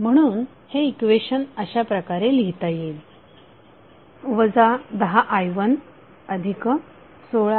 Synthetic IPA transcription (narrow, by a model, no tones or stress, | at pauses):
m̤əɽ̃uːn | heikʋeɕənəɕapɾəkaɾeliɦt̪ajel | ʋəd͡zad̪əɦaʔajʋən | əd̪ʱikə | soɭa